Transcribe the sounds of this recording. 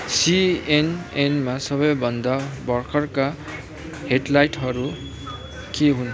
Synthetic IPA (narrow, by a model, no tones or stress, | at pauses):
sienenmasʌβʌjbʱʌnd̪abʌrkʰʌrka | heʈlajʈɦʌɾu | keɦun